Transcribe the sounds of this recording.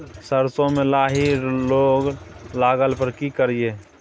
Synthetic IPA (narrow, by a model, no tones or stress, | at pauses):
səɾsõmelaːɦiloːɡlaːɡəlpəɾkikəɾije